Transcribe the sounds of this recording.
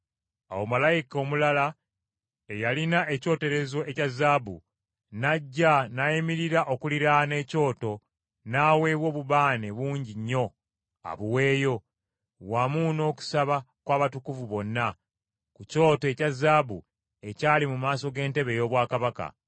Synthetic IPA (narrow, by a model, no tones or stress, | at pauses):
a̰womalajiko̞ːmulala | ejalinaʔe̞co̞ːte̞ɾe̞zo̞ʔecazːaːbu | naɟːanajimiɾiɾaʔo̞kuliɾane̞ːco̞ːto̞ | naːwe̞ːβwo̞ːβuβaːne̞βuːɲɟiɲːo̞ | a̰βuwe̞ːjo̞ | wamuno̞ːku̥saβa | kwaːβatukuvuβo̞nːa | kuco̞ːtoecazːaːbu | e̞caːlimumaːso̞ɡe̞ːnte̞βe̞jo̞ːβwaːkaβaka̰